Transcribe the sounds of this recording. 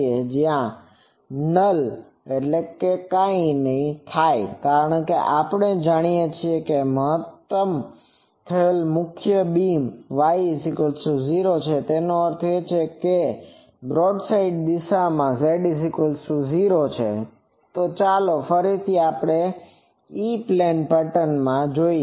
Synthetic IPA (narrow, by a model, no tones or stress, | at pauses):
ed͡ʒjã | nəl | eʈlekekãĩnəɦĩt̪ʰajkaɾəɳ̃keʔapəɳ̃ed͡ʒaɽ̃ijet͡ʃʰiekeməɦət̪ːəm | t̪ʰəelmʊkʰjəbimʋaiisikəlsuziɾot͡ʃʰet̪enoəɾt̪ʰet͡ʃʰeke | bɾoɖsaiɖ̚d̪iʃamãseɖisikəlsuziɾot͡ʃʰḛ | t̪ot͡ʃalofəɾit̪ʰiapɽ̃e | iplenpəʈənmãd͡ʒoi